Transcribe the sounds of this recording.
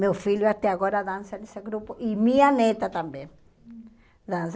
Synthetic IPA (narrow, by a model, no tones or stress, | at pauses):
mewfiʎjwat̪ɛaɣoɾaðãnsaniseɡɾupoʔimĩanet̪at̪ambẽ | d̪ãns̬